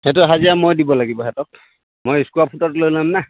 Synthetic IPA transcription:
hɛtʊɦaziamojdibɔlaɡibɔɦɛtɔk̚ | mojiskuapʰutɔtlojlamna

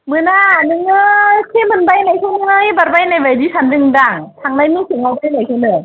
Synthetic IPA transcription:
mɯnaːnɯŋɯːkʰemɯnbajnajkʰɯŋajbat̚bajnajbajdiːsʰandɯŋdaŋt̪ʰaŋnajmiːsɯŋakʰɯnajkʰɯnɯː

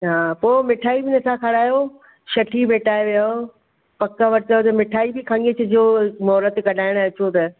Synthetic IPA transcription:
ɦaːpoːmɪʈʰaːibɪnɐt̪ʰãkʰɐɽaːjo | ʃɐʈʰibeːʈaːeʋijao | pɐkəʋɐɾt͡ɕəot̪ɐmɪʈʰaːibɪkʰãːŋɡet͡ɕʰɐd͡ʑoːmɔːɾət̪kɐɖʱaːɪɽ̃ɐt͡ɕot̪ɐ

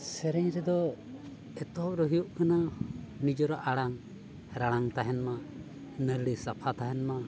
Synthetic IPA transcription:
sɛɾɛɲɾɛd̪ɔ | ɛt̪ɔɾɔɦijɔʔkananid͡ʒɔɾaʔaɽaŋ | ɾaɽaŋt̪aɦɛnma | nəɾɽisapʰat̪aɦɛnma

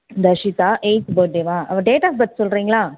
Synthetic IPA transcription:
d̪ɐʂit̪aːʔeɪt͡ʃboɖeʋaːɐʋɐ̃ɖeːʈaːfbɐʈ̪ːsɔlɾiːŋɡɐɭaː

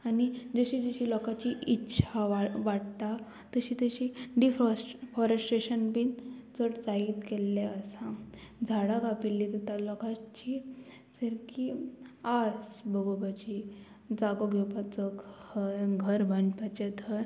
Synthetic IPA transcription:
añid͡zəɕid͡zəɕilɔkat͡ɕiʔitːɕʰaʋaʋaʈt̪a | t̪əɕiːt̪əɕiɖifɔsfɔɾəsʈɾeɕənbint͡səʈd͡zait̪kelːeasad͡zʱaɽaɡapilːid̪ət̪alɔkat͡ɕi | səɾkiad͡zbəɡobat͡ɕi | d͡zaɡoɡʱewpat͡səkhəɡʱəɾbʱəɳɖpat͡ɕet̪ʰəɾ

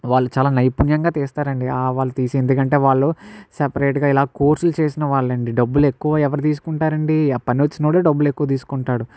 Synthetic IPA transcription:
ʋaːɭːut͡ʃaːlaːnɐjpunjɐŋɡaːt̪eːst̪aːɾɐɳɖiaːʋaːɭːɐt̪iːsiend̪ukɐɳʈe̞ːʋaːɭːusepɐɾeːʈɡaːilaːkoːɾsult͡ʃe̞ːsinɐʋaːɭːɐɳɖiɖɐbːule̞kːuʋaɛʋɐɾut̪̬iːs̬u̥kuɳʈaːɾɐɳɖipɐniʋɐt͡ʃːinoːɽeːɖɐbːule̞kːuʋɐt̪iːsu̥kuɳʈaːɽu

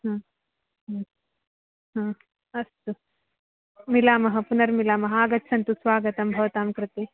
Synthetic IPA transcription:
ɦãː | ɦaː | ɦãː | ɐst̪u | milaːmɐɦɐ̆punɐɾmilaːmɐɦɐaːɡɐtːsʰɐnt̪usʋaːɡɐt̪ɐmbʱɐʋɐt̪aːmkɾɪt̪i

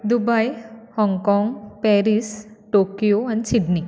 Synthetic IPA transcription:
d̪ubajhɔ̃ŋɡkɔ̃ːŋɡpɛːɾisʈoːkijoɛ̃ɳɖsiɖni

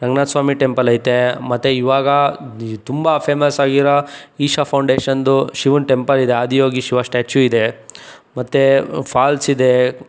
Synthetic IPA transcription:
ɾɐɡnaːt̪sʋaːmiʈempɐlɐjt̪emɐt̪ːeiʋaːɡɐt̪umbɐpʰeːmɐsaːɡiɾɐiːʃapʰɐwɳɖeːʃɐnd̪uʃiʋunʈempɐɾid̪eaːd̪ijoːɡiʃiʋɐsʈaːt͡ʃjuid̪emɐt̪ːepʰaːlsid̪e

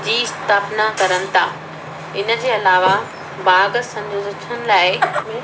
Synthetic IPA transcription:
d͡ʑiːst̪aːpnakɐɾənɪ̆t̪ʰaː | ɪnə̆d͡ʑeːɐlaːʋa | baːɡsɐ̃ndʊzɪtʰənɪ̆laːɪmɪ

